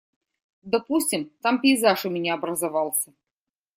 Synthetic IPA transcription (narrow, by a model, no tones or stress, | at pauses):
d̪ɐpusʲtʲɪmt̪ampʲɪjzaʂɨmʲɪnʲaɐbɾəzɐvɑlˠsʲə